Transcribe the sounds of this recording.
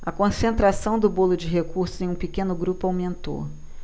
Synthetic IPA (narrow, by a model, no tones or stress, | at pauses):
ɐkõsẽnt̪ɾasɐ̃w̃d̪ʊbolʊd͡ʒɪɦekuɾsʊzẽj̃ũpikẽnʊɡɾupʊawmẽnt̪o̰